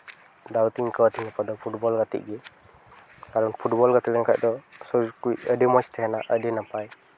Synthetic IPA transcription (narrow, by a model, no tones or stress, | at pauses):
d̪awt̪iŋkəwat̪iŋapad̪ɔpʰuʈbɔlɡat̪ḭʔ̚ɡɛ | kaɾɔnpʰuʈbɔlɡat̪ilɛŋkaʔ̚d̪ɔsɔd͡ʒkuəɖimɔt͡ʃt̪ʰɛɦɛnaʔəɖɛnapaj